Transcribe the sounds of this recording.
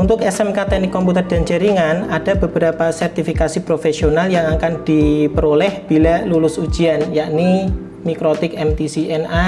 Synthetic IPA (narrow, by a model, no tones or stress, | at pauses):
unt̪ʊkɛsɛmkat̪ɛnikːɔmput̪ərd̥a̤nt͡ʃəɾiŋanad̥abəbəɾapasɛrt̪ifikasipɾofesionaljaŋakand̥ipəɾolɛhb̥ilalulʊsu̥d͡ʒianjaʔni | mikɾot̪ɪkɛmt̪isiɛna